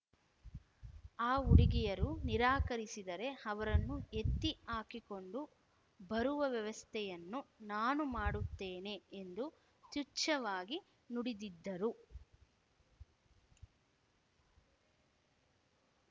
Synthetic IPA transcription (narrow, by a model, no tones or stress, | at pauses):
aːuɽiɡɛjɐɾuniɾaːkɐɾisid̪ɐɾe̞ɐʋɐɾɐnːue̞t̪ːiaːkiko̞ɳɖu | bɐɾuʋɐʋjɐʋɐst̪ʰɛjɐnːunaːnumaːɽut̪ːeːne̞end̪u | t̪ut͡ʃːɐʋaːɡi | nuɽid̪id̪ːɐɾu